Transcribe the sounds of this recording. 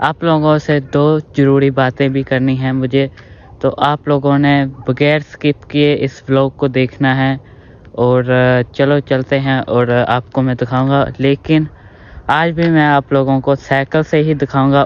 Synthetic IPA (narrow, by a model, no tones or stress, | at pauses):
aːploːɡõsed̪oːzɐɾuːɾibaːt̪ẽbʱikɐɾniɦɛ̃mʊd͡ʒʱe | t̪oʔaːploːɡõnebɐɡɛːɾskɪpkieʔɪsbloːkod̪eːkʰnaɦɛ̃ | ɔːɾt͡ʃɐlot͡ʃɐlt̪eɦɛ̃ʔɔːɾa̰ːp̚komɛ̃d̪ɪkʰaːũːŋɡaleːkɪn | aːd͡ʒbʱimɛ̃aːploːɡõkosɛːkəlseɦid̪ɪkʰaːʊ̃ːŋɡa